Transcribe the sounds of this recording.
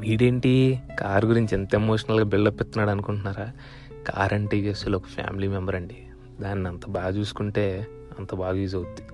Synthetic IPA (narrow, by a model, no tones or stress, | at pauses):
ʋiːɖeɳʈiːkaːɾɡuɾiɲt͡ʃient̪ɐemo̞ːʂɐnɐlɡaːbiɭːɐpːɛt̪ːɐnaːɽɐnukuɳʈunːaːɾaː | ka̰ːɾɐɳʈikesulɔkɐ̥pʰja̰ːmiliːmɛmbɐɾɐɳɖi | d̪aːnːiɐnt̪ɐbaːɡɐt͡ʃuːsu̥kuɳʈe̞ː | ɐnt̪ɐbaːɡɐʋiːd͡ʒɐut̪ːi̥